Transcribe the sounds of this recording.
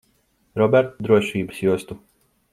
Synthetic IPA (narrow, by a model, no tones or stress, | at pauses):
ɾɔbɛɾt̪d̪ɾuɔʃiːbə̥sjuɔst̪u